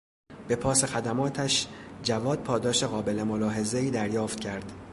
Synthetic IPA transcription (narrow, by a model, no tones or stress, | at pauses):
b̥e̞pʰɒːse̞xæd̪æmɒːt̪ʰæʃd͡ʒævɒːd̪̚pʰɒːd̪ɒːʃe̞ɣɒːbe̞le̞mo̞lɒːɦe̞ze̞iːd̪æɾjɒːft̪̚cʰæɾd̪̥